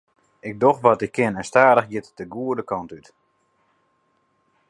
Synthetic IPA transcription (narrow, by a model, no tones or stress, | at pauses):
ɪk̚doxʋɔtɪkʰːɪnɛnstaːdəxjɪtəɡuədəkɔntyt